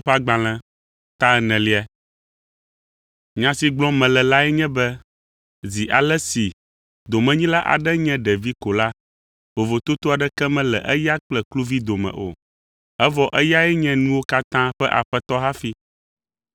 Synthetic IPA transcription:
ɸa˦ɡ͡bã˨l̃ɛ̃˨ | t̪ã˦ɛ˨nɛ̃˨li˦ɛ˨ | ɲã˨si˨ɡ͡blɔ̃˦mɛ̃˨lɛ˨la˦ɛ˦ɲɛ̃˦bɛ˦ | zi˨ʔa˨lɛ˦si˨ | d̪o˨mɛ̃˦ɲĩ˦la˦ʔa̰˨ɖɛ˦ɲɛ̃˦ɖɛ˨vi˦ko˨la˦ | vo˨vo˨t̪o˦t̪o˦a˨ɖɛ˦kɛ˦mɛ̃˦lɛ˨ʔɛ˦ja˦k͡plɛ˨klu˦vi˦d̪o˨mɛ̰̃˨ʔo̰˨ | ɛ˦vɔ˦ʔɛ˦ja˦ɛ˦ɲɛ̃˦nũ˦wo˦ka˦t̪ã˦ɸɛ˦ʔa̰˨ɸɛ˦t̪ɔ˦ɦa˦fi˦

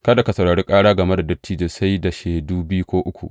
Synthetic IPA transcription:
kɐ˦da˨ka˨sɐ˨ɽaː˨ɽiː˦kʼaː˦ɽaː˦ɡɐ˨me˦da˨dɐ˦tːiː˦d͡ʒeː˨sa˦jda˨ʃeː˨duː˦bɪ˦ju˦kʷoː˦ʔʊ˦kʷṵ˨ʔ

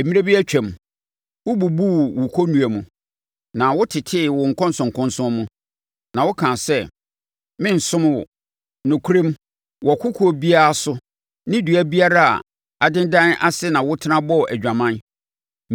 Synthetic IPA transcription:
ɛ˨mĩ˦e˦bi˦æ˦t͡ɕᶣɛ̃˨m | wʊ˦bu˨bu˦wʊ˨kʰo˦nũ˨æ˨mũ˨ | nã˨wʊ˦tʰɪ˨tʰɪ˦˨wʊ̃˨ŋ̩˨kʰɔ̃˦n̩˦sʊ̃˨ŋ˨kʰʊ̃˦n˦sʊ̃˦mũ˦ | nã˨wʊ˦kʰã˨sɛ˦ | mɪ̃˦n̩˨sʊ̃˦m˦wʊ̰˨ | nʊ̃˨kʰu˦ɾĩ˦m | wɔ˨kʰʊ˦kʰʊ˨˦o˨bi˦a˦a˦˨sʊ˦ | nɪ̃˦du˨æ˦bi˦a˦ɾa˦a̰˨ | a˨dɪ̃˦ndã˦nʔa̰˦sɪ˦nã˨wʊ˦tʰɪ˦nã˦bɔ˦˨ʔæ˨d͡ʑᶣã˨mã˦n

